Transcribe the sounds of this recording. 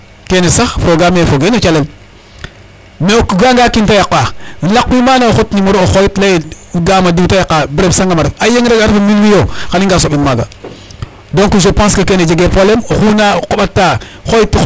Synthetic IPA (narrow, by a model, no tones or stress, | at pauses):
kenesaxpɾoɡamefoɡenet͡ʃalem | mekuɡaŋɡakintajakːalakːimanaxotnimoɾooxojitle | ɡamaditajakːabɾebsaŋɡamaɾefajeŋɾeɡaɾfimilwijokaniŋɡasoɓinmaɡa | doŋkuʃopãskekened͡ʒeɡepolemoxunakoɓatːa | xojitː